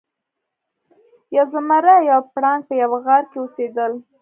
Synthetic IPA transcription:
jawzamaɾajawpɽɑŋ̚pəjawɣaɾkeosed̪əl

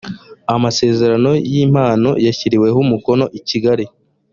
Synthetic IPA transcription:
amase̞ːze̞ɾano̞jim̥aːno̞̰jaçiɾiwe̞ɦumuko̞no̞ʔiciɡaɾi

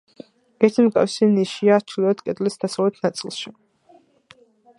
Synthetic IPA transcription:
ɛɾt̪ʰimkʼa̰fsiniʃiaːt͡ʃʰilɛad̪kʼɛd̪ʼlisd̪asalɛt̪ʰnat̪sʼḭlˠʃi

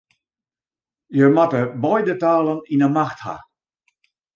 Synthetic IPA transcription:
jəmatəbɔjdətaːlˠəninəmaxtha̰

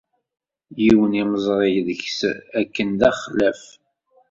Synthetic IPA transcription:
jiwəniməzˤɾˤejðəçsækːənd̪æχlæf

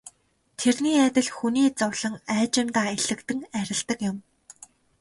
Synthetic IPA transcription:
t̪ʰerniːæt̪ʲɪ̆ɮxuniːt͡sʊwɮə̆ŋæːt͡ɕɪ̆mt̪aːeɮɘ̆kt̪ɘ̆ŋæɾʲɪ̆ɮt̪ə̆kjʊ̆m

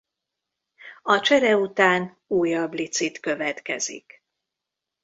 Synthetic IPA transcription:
ɒt͡ʃɛɾɛut̪aːn | uːjɒblit̪sit̪kø̞vɛt̪kɛzḭk

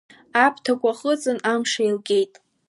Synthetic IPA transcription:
apʰtʰakʷʼaχʼət͡sʼɨnamʂajlɡʲe̞jtʼ

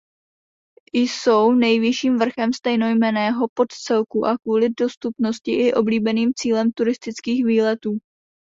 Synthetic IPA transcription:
ɪjso̞wnɛjvɪʃiːmvr̩xɛmst̪ɛjno̞jmɛnɛːɦo̞po̞t̪t͡sɛlkuʔakvuːlɪdo̞st̪upno̞scɪʔɪʔo̞bliːbɛniːmt͡siːlɛmt̪uɾɪst̪ɪt͡skiːxviːlɛt̪uː

